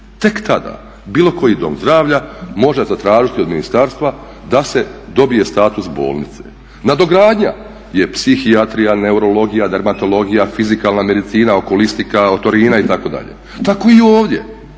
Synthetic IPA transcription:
t̪e̞kt̪ad̪a̰ | biːlo̞ko̞jid̪o̞̰mzd̪ɾaːʋʎamo̞ʒezat̪ɾaːʒit̪io̞d̪minist̪aːɾst̪ʋa | d̪ase̞d̪o̞bije̞st̪aːt̪usbo̞̰ːlˠnit̪se̞̰ | nad̪o̞ɡɾaːd̪ɲa̰ | je̞psixiat̪ɾijane̞uɾo̞lo̞ɡijad̪aɾmat̪o̞lˠo̞ɡijafizikaːlˠname̞d̪it̪siːnao̞ko̞list̪ikaot̪o̞ɾiːnait̪ako̞d̪a̰ʎḛ | t̪ako̞io̞ːʋd̪je̞̰

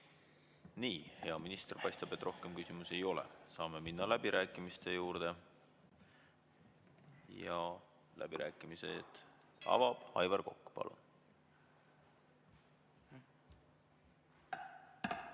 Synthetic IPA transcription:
niːhe̞ɑminist̪erpɑjst̪ɑb̥e̞t̪ːˑro̞hke̞mkysʲimuse̞jo̞lḛsɑːme̞minːɑlæb̥iɾʔæːkːˑimist̪e̞juːɾd̪̥e̞ | jɑ | lʔæ̰b̥iɾʔæːkːˑimise̞̰t̪ | ɑ̰vɑb̥ɑjvɑrko̞kːpɑ̰lṵn

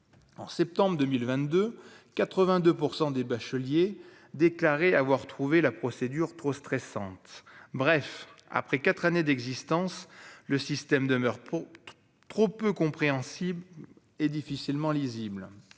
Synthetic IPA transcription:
ɑ̰̃sɛp̚t̪ɑ̃bʁd̪ømilvɛ̃t̪d̪økat̪χəvɛ̃d̪øpuʁsɑ̃d̪ebaʃəlje | d̪eklaʁeavwaʁt̪χuvelapχɔsed̪yʁt̪χost̪χɛsɑ̰̃t̪bʁɛfa̰pχɛkat̪χaned̪ɛɡzist̪ɑ̃sləsist̪ɛmd̪əmœʁ | t̪χopøkɔ̃pχeɑ̃sib | ed̪ifisilmɑ̃lizibl

